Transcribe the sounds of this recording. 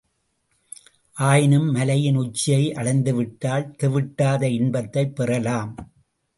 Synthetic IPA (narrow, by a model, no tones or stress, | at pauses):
ʔaːjɪnɯmːɐlɐjɪnʊt͡ʃːɪjɐɪʔɐɭɐɪnd̪ɯʋɪʈːaːlt̪ɛʋɪʈːaːðɐɪnbɐt̪ːɐɪpːɛrɐlaːm